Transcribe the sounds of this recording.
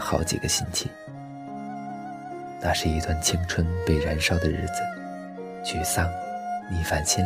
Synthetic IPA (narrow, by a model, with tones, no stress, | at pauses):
xɑ˧˥ʊt͡ɕḭ˨˩ɡə˦ɕi˥nt͡ɕʰi˥˩˦ | nʰa˥ʂɻ̩˥˩i˧˥t̪wa˥˩nt͡ɕʰi˥ŋʈ͡ʂʰwə˥npe˥˩ɪɻa˧˥nʂɑ˥ʊd̪ə˨ɻɻ̩˥˩d͡zɹ̩˨˩ | t͡ɕʰy˥˩sa˥ŋli˨˩fa˨˩nɕɛ˥